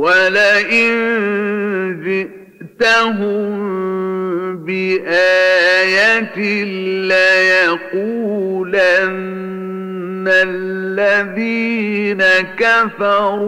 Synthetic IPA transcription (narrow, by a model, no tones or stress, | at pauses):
walaʔɪn | zɪ | t̪aɦʊm | bɪʔaːjat̪ɪlajaquːlanː | alːaðiːnakafɑɾuː